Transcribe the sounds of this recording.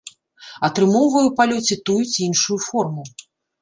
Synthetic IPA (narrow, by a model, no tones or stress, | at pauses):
ɐt̪ɾɨmɔwvɐjuwpalʲɔt͡sʲit̪ujut͡sʲiinʂujufɔrmu